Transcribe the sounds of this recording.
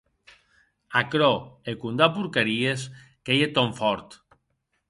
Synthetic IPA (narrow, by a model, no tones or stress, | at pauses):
akɾɔekund̪apuɾkeɾieskejet̪oɱfɔɾt̪